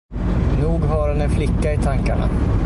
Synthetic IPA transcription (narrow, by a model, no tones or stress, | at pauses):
nuːɡɦɑɾɛnɛnflɪkːaɪt̪ʰaŋkaɳa̰